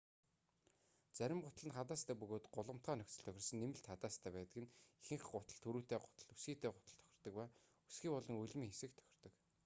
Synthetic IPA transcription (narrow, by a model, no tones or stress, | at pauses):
t͡sæɾʲɪ̆mɢʊt̪ə̆ɮə̆nχat̪aːst̪ʰæːpɵɣoːt̪ɢʊɮə̆m̥t̪χæːnɵkʲt͡sə̆ɮt̪ʰœxʲɪ̆rsə̆nːemɘ̆ɬt̪χat̪aːst̪ʰæːpæːt̪ə̆kɘ̆nexɘ̆ŋχɢʊt̪ə̆ɮt̪ʰɵɾuːt̪eːɢʊ̥t̪ə̆ɮusɡiːt̪ʰeːɢʊt̪ə̆ɮt̪ʰœ̥xʲɪ̥̆rt̪ɞ̆k̚pæː | u̥sɡiːpɔɮɞ̆ŋɵɮʲmiːŋxesɘ̆kt̪ʰœ̥xʲɪ̆r̥t̪ɞ̆k